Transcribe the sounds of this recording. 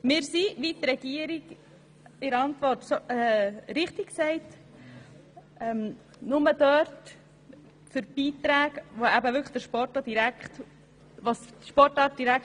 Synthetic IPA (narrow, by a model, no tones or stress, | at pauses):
mɪːɾsiʋit̪ɾɛɡ̥iəɾiɡ | ɪɾɑntvɔrtsoɛɾɪχtɪksɛɪt | ʔɛm | nʊməd̥œɾt | fʏɾb̥iːtɾæːɡʋoæbəvʏɾkχəχd̥̪əɾʃpɔɾtɑd̥iɾækχt | ʋɑsʃpɔɾtɑːɾt̚d̥iɾæk